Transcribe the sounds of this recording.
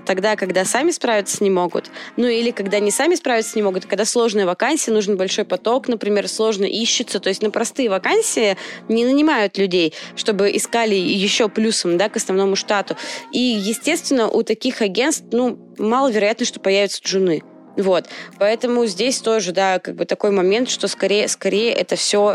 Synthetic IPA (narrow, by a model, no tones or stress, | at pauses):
t̪ɐɡd̪akɐɡd̪asamʲɪspɾavʲɪt̪sə̥nʲɪmo̞ɡʊ̰t̪nuilʲɪkɐɡd̪anʲɪsamʲɪspɾavʲɪt̪sənʲɪmo̞ɡʊt̪kɐɡd̪aslˠo̞ʐnəjəvɐkanʲsʲɪənuʐɨnbɐlʲʂo̞jpɐt̪o̞knəpɾʲɪmʲe̞rslˠo̞ʐnə̰ʔiɕːɪt̪sət̪o̞jɪsʲtʲnəpɾɐst̪ɨjəvɐkanʲsʲɪɪnʲɪnənʲɪmajʊt̪lʲʉdʲejʂt̪o̞bɨʔɪskalʲɪjɪɕːo̞plʲusəmd̪akəsnɐvno̞mʊʂt̪at̪ʊijɪsʲtʲe̞st̪vʲɪnːəʔut̪ɐkʲixɐɡʲe̞nst̪fnu | malˠəvʲɪɾɐjat̪nəʂt̪o̞pɐjævʲɪt̪sə̥ʐʊnɨ | vo̞t̪pɐɛt̪əmʊzʲdʲesʲt̪o̞ʐɨd̪akaɡ̚bɨt̪ɐko̞jmɐmʲe̞nt̪ʂt̪o̞skɐɾʲejəskɐɾʲejəʔɛt̪əfsʲo